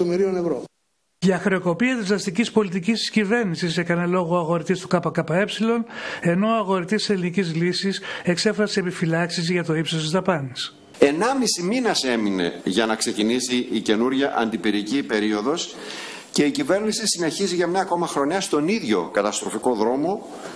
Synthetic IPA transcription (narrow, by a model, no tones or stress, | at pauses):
omeɾionevɾo | ʝɐxɾeo̞ko̞piɐt̪izɐst̪icispo̞lit̪icist̪i̥scive̞ɾnisise̞kɐnelo̞ɣoɐɣo̞ɾit̪ist̪u̥kɐpɐkɐpɐe̞psilo̞ne̞no̞ɐɣo̞ɾit̪isse̞linicizlisise̞kse̞fɾɐseːpifilɐksizʝɐt̪o̞ipsost̪izðɐpɐnis | enɐmisiminɐse̞mine̞̰ʝɐnɐkse̞cinisiʔice̞nuɾʝɐʔɐ̰nd̪ipiɾicipe̞ɾio̞ðo̞s | ce̞icive̞ɾnisisine̞çiziʝɐmɲɐko̞mɐxɾo̞ɲɐst̪o̞niðʝo̞̰kɐt̪ɐst̪ɾo̞fiko̞ðɾo̞mo̞